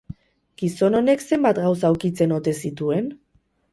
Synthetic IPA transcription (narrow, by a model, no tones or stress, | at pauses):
ɡ̥iso̞no̞ne̞kse̞mbat̪ɡawsauwkit͡se̞no̞t̪e̞sit̪ue̞n